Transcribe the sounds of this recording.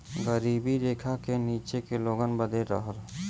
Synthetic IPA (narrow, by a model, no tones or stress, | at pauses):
ɡəɾiːbiɾeːkʰakeniːt͡ʃekeloːɡənbəd̪ʱeɾə̰ɦəɾ